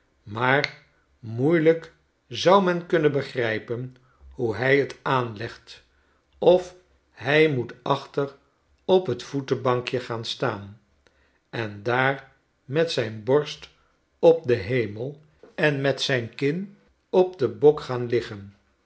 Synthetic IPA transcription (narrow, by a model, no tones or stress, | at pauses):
maːr | mujlək | zʌwmɛnkɵnənbəχrɛjpən | huɦɛjətaːnlɛχt | ɔf | ɦɛjmutɑχtər | ɔpɦətfutəbɑŋkjəχaːnstaːn | ɛndaːr | mɛtsɛjnbɔɹst | ɔp̚dəɦejməlˠ | ɛnmɛtsɛjnkɪn | ɔpdəbɔkχaːnlɪχən